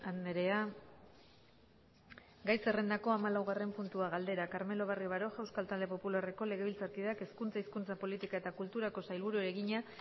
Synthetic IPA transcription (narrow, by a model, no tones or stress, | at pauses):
aneɾe̞a | ɡajse̞re̞nd̪ako̞amalawɣare̞mpunt̪uaɣ̞ald̪e̞ɾakaɾme̞lo̞β̞ariβaɾo̞ʝawskalt̪ald̪e̞po̞pulare̞ko̞le̞ɣ̞e̞βilt͡saɾkiðake̞skunt͡saiskunt͡sapo̞lit̪ikaet̪akult̪uɾako̞sajlβuɾueɾe̞ɣiɲa